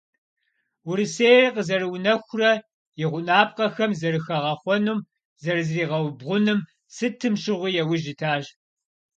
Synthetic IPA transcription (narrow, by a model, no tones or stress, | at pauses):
wʊɾɨseːjrqəzɐɾɨwʊnɐxʷʊrɐ | jɪʁʷʊnaːp̚qɐxɐmzɐrɨxɐʁɐχʷɔnuːm | zɐrɨzriːʁɐwbʁʷʊnɨm | sɨtʰɨmʃɪʁʷijɛwʊʒɪtʰaːʒ